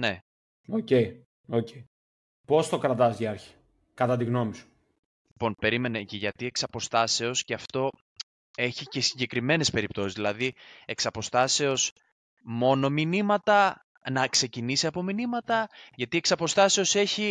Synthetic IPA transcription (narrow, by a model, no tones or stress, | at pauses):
ne̞ | oce̞i | ocei | po̞st̪o̞kɾɐt̪ɐziɐɾçi̥ | kɐt̪ɐt̪iɣno̞misu̥ | lipo̞npe̞ɾime̞neceʝɐt̪ie̞ksɐpo̞st̪ɐse̞o̞sce̞ɐft̪o̞ | e̞çice̞siɲɟe̞kɾime̞ne̞spe̞ɾip̚t̪o̞sizðilɐðieksɐpo̞st̪ɐse̞o̞s | mo̞no̞minimɐt̪ɐ | nɐkse̞cinisiɐpo̞minimɐt̪ɐʝɐt̪ieksɐpo̞st̪ɐse̞o̞se̞çi